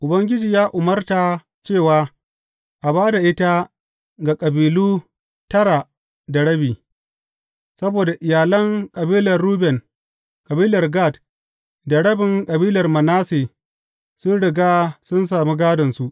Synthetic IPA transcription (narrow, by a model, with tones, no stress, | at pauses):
ʔʊ˨bɐ˦ŋɡʲɪ˦d͡ʒiː˨jaː˦ʔʊ˨mɐ˦rta˨ | t͡ʃeː˦˨waː˦ | ʔa˨baː˦da˨ʔɪ˦ta˦ | ɡa˨kʼɐ˨biː˨luː˦ | tɐ˦ɽa˨ | dɐ˨ɽɐ˦biː˨ | sɐ˦boː˨da˨ʔɪ˨jaː˨lɐ˦ŋkʼɐ˨biː˦lɐ˨rːuː˦bɛ˨n | kʼɐ˨biː˦lɐ˨rɡa˦˨t | dɐ˨ɽɐ˦bɪ˨ŋkʼɐ˨biː˦lɐ˨rmɐ˨naː˦seː˨ | sʊ˦nɽɪ˨ɡaː˦sʊ˦ns̬aː˨mi˦ɡaː˦dɐ˨nsu˦ʔ